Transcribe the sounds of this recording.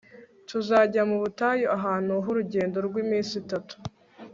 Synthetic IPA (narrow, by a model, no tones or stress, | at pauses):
tʰuzaɟamuβutajoʔaɦaːnuɦuɾuɟe̞ːndo̞ɾɡwimiːnsitatu̥